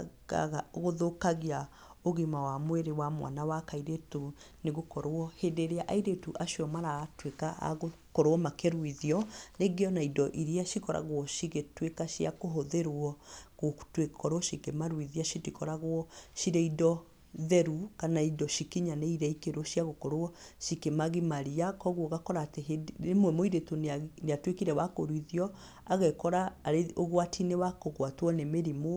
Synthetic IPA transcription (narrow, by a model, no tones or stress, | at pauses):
a̰ɣaɣoðokaɣia | oɣimawamweɾewamwa̰nawakaiɾetu | neɣokɔɾwɔhedeɾeaʔaiɾetuʔaʃiɔmaɾaːtwekaa̰ɣo | kɔɾwɔmakeɾwiðiɔneɡeɔnaidɔʔiɾiaʃikɔɾa̰ɣwɔʃiɣetwekaʃiakoɦoðeɾwɔɣotwekʰɔɾwɔʃikemaɾwiðiaʃitikɔɾaɣwɔʃiɾeidɔ | ðɛɾukanaidɔʃikiɲaneiɾɛikeɾoʃiaɣokɔɾwɔʃikemaɣimaɾiakɔɣwɔɣakɔɾaːteɦedemwɛmoiɾetoneatwekiɾɛwakoɾwiðiɔ | aɣekɔɾaːɾeoɣwatʰinewakoɣwatwɔnemeɾimo